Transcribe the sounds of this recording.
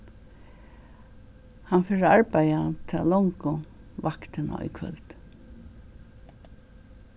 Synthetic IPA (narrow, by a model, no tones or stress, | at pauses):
hanfɛːɹəaɹpajat̪ʰɪalɔŋkʊʋakt̪ɪna̰ɔ̰jkʰʋœ̰lt̪